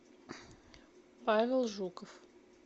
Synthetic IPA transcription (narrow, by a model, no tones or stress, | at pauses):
pavʲɪlˠʐukəf